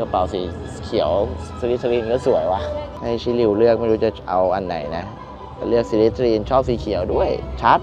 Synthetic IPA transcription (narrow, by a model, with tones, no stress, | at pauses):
kɔ˧˩pa˨˩wsiː˨˩˦kʰi˨˩˦ə˦wsi˧li˦˥t̪ʰːɾiː˧nkɔː˥˩su˨˦əjwaː˧˩ha˥˩jsʰiː˧˦˥li˧˩wlɯ˥˩ək̚ma˥˩ɾuː˧˦˥t͡ɕa˧˩ʔa˧wʔa˧nːa̰˨˩˦jna˦˥ | ka˧˩lɯ˥˩ək̚si˨˦li˦˥t̪ʰɾiː˧nt͡ɕʰɔː˥˩p̚siː˨˩˦kʰi˨˩˦əwdu˥˩əjt͡ɕʰa˦˥t̪̚